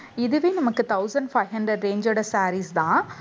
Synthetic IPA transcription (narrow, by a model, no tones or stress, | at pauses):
ɪðɯʋeːnɐmɐkːɯt̪ɐʊsɐɳɖfɐɪɦɐɳɖɾɐɖɾẽːɲd͡ʒɐɾɽɐsaːɾisd̪ãː